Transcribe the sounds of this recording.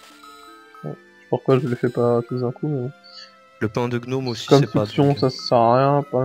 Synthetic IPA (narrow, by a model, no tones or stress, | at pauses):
wɛ̰̥ | puʁkwaʒəlefɛpat̪ud̪ɛ̃kumɛ̃ | ləpɛ̃d̪əɡnomkɔmfisjɔ̃sasə̥sɛʁːjɛ̃pã